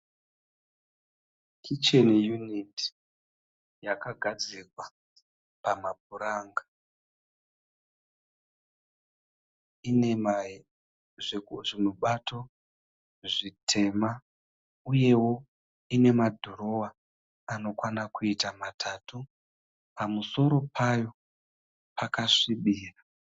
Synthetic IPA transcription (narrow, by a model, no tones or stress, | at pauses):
kʰit͡ʃenijuniti̥ | jakaɡʱad͡zirwa | pamab̚uɾaŋɡa | ine̞ma | ʐekuʐinuɓatʰo̞ | ʐitʰe̞ma | uje̞wo̞ | ine̞madʱuɾo̞wa | ano̞kwanakuitamatʰatu | pamuso̞ɾo̞pʰajo̞ | pakaʂiɓiːra